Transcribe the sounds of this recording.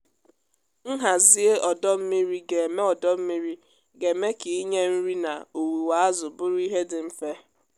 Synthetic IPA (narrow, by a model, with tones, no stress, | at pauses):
n̩˦ɦa˨zi˦e˦ʔɔ˨dɔ˦m̩˦mi˦ɾi˦ɡe˨e˨me˦ɔ˨dɔ˦m̩˦mi˦ɾi˦ | ɡe˨me˦ki˨i˦ɲe˦n̩˦ɾi˦na̰˨o˨wi˨wa˨a˦zʊ˨bʊ˦ɾʊ˦i˦ɦe˦dɪ˨m̩˦fe˦